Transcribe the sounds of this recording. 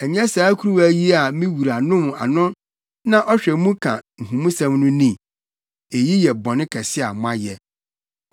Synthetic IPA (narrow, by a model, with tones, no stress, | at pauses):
ɛ˨ɲɛ̃˦saː˨˦kʰu˦ɾu˦wæ˦ji˦a˨mĩ˦wu˨ɾa˨nʊ̃˦m˨a̰˨nʊ̃˦ | nã˦ʔɔ˦ɕᶣɛ˨mũ˦kʰã̰˨ŋ̩˨ɦũ˨mũ˦sã˦mnʊ̃˦nĩ˦ | e˨ji˦jɛ˨bɔ̃˨nɪ̃˦kʰɛ˨sɪ˦a̰˨mʊ̃˦a˦jɛ˨